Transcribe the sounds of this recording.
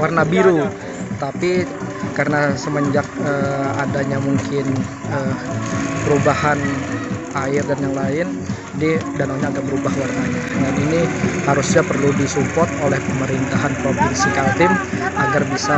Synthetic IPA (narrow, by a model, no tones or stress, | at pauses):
warnabiɾu | t̪apikarənasəməɲd͡ʒak̚əadaɲamuŋkɪn | əː | pəɾubahan | aɪrdanjaŋlaɪn | didanaŋɲaːɡabəɾubahwarnaɲadaninihaɾusɲapərludisupɔrt̪̚olɛhpəməɾint̪aɦanpɾofinsikadɪm | aɡarbisa